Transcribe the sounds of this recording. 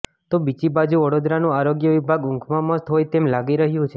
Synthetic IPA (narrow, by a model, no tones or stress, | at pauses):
t̪obid͡ʒibad͡ʒuʋəɽod̪ɾanũaɾoɡjəʋibʱaɡʊ̃ŋkʰmãməst̪ɦojt̪emlaɡiɾəɦjũt͡ʃʰe